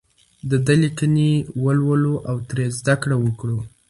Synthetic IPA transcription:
d̪əd̪əlikənewəlwəloʔawt̪ɾezd̪akɽawəkɽo

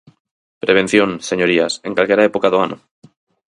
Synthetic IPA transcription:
pɾeβ̞en̟θjõnseɲoɾiasẽŋkalkeɾaepokaðoanʔo̰

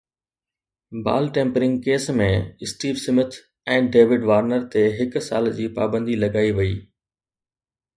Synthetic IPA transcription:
ba̰ːlʈẽːmpɾɪ̃ŋɡkeːsmẽɪsʈiːʋsɪmɪt̪ʰ | ɛ̃ːɖeːʋɪɖʋaːɾnəɾt̪eɦɪkʊsaːld͡ʑiːpaːbə̃nd̪ilɐɡaːiʋɐiː

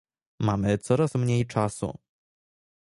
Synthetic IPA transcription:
mamɘt̪sɔɾasmɲejt͡ʂasṵ

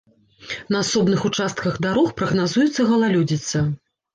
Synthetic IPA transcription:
nɐasɔbnɨxut͡ʂast̪̚kɐɣd̪aɾɔxpɾɐɣnazujut̪sːɐɣɐlˠalʲud͡zʲit̪sːɐ

